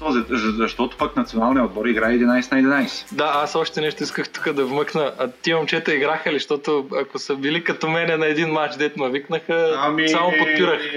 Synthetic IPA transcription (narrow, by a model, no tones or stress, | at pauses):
t̪ɔzɛzɐzɐʃt̪ɔt̪ʊ̥paknɐt̪sionalˠnijɛod̪̚bɔɾiɡɾaɛɛd̪inajsɛnɐɛd̪inajsɛ̥d̪aasɔʃt̪ɛnɛʃt̪oʊiskəxt̪u̥kəd̪ɐvmɤknəʔɐt̪imɐmt͡ʃɛt̪ɐiɡɾaxəliʃt̪ɔt̪ʊɐkʊsɐbilikɐt̪omɛnɛnɐɛd̪inmat͡ʃd̪ɛt̪mɐviknəxəmsamopot̪̚piɾəx